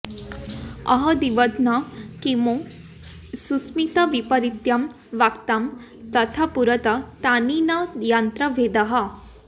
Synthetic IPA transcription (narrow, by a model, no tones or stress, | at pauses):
ɐɦɐd̪iʋət̪nakimo | susmit̪ɐʋipəɾit̪jɐm | ʋakt̪am | t̪ɐt̪ʰapuɾət̪ɐt̪aninɐjant̪ɾɐʋʱed̪ɐɦɐ